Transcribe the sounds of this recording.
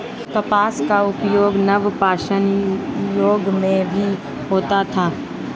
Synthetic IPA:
kɐpaːskaʊpjoːɡnɐʋpaːʃənjoːɡmẽbʱi | ɦoːt̪at̪ʰaː

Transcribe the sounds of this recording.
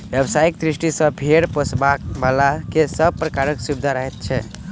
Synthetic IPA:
bjəbsaikd̪ɾisʈisəbʱeɽposbakbalakesəb̚pɾəkaɾəksubd̪ʱaɾəɦɛt̪̚t͡ʃʰɛ

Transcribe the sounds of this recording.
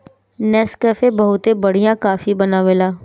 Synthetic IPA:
nɛːskɛːfebɐɦʊt̪ebɐɽ̤ijãkaːfibɐnaʋelaː

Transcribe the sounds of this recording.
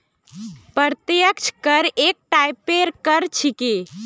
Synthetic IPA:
pəɾt̪jəkt͡ʃʰkəɾek̚ʈajpeɾkəɾt͡ʃʰike

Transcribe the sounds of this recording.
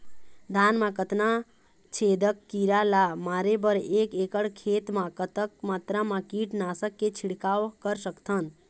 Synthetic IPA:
d̪ʱaːnmãkət̪na | t͡ʃʰeːd̪əkːiɾalamaːɾebəɾeːkeːkəɽkʰeːt̪mãkət̪əkmaːt̪ɾamãkiːʈnaːsəkːet͡ʃʰiɽkaːʋkəɾsəkt̪ʰən

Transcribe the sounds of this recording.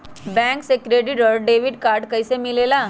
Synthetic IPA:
bɛ̃ŋksekɾeɖiʈəɾɖeʋiɖkaɾɖkəisemilela

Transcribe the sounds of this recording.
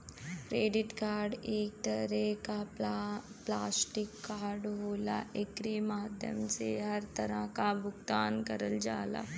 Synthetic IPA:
kɾeːɖɪʈkaːɾɖeːk̚t̪ɐɾɛka | plaːsʈɪkːaːɾɖɦoːla̰ʔekɾeːmaːd̪ʱjə̰mseɦɐɾt̪ɐɾəkabʱʊkt̪aːnkɐɾəld͡ʒaːla̰ː

